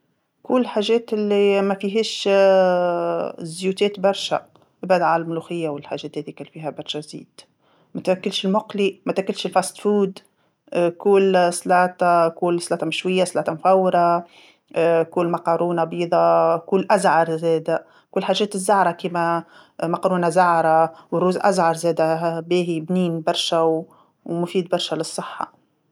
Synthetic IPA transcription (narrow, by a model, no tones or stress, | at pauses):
kʊlːħaːʒɛːt̪ɪlːimæfiɦiːʃ | zjuːt̪ɛːt̪bɑɾˤʃæ̰ | bæːd̪ʕallmluxɪjːawɪlħaʒɛːt̪hɛːd̪ikælfiːɦæbɑɾˤʃæzḭːd̪̥ | mæt̪wækːɪlʃɪlmʊqlimæt̪ækːɪlʃɪlfɑst̪fuːd̪ | kuːlslɑːt̪ɑkuːlsˤlɑːt̪ˤɑmɪʃwɪjːaslɑːt̪ɑmfæwːɾˤɑ | kʊlmɑqɑːɾuːnabiːd̪ˤɑkʊlːʔæzʕɑɾˤzɛːd̪æ | kʊlːħaːʒːɛːt̪ɪzːaʕɾˤɑkiːmæ | mɑqɑɾuːnazɑʕɾˤɑwərːuːzʔæ̰zʕɑɾˤzɛːd̪æbiːɦibniːnbɑɾˤʃæw | mʊfiːd̪bɑɾˤʃælɪsˤːɨħːɑ̰